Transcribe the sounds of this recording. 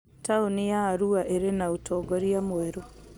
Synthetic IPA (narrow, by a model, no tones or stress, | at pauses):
taonijaːɾuaʔeɾenautʰɔɡɔɾiamwɛɾo